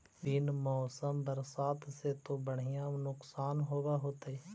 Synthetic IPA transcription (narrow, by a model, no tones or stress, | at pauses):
bɪnmɔːsəmbəɾsaːt̪set̪obəɽ̤ɪjãnʊksaːnɦoːɡaɦoːt̪eː